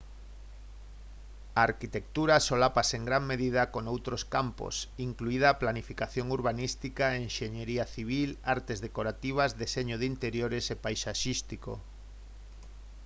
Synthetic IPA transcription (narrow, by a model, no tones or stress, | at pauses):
aːɾkit̪ek̚t̪uɾasolapaseŋɡɾaŋmeðiðakonowt̪ɾoskampo̰siŋkluiðaplanifikaθjoŋuɾβanist̪ikaeːnʃeɲeɾiaθiβ̞ilaɾt̪ezðekoɾat̪iβ̞azðeseɲoð̞int̪eɾjoɾesepajsaʃist̪iko̰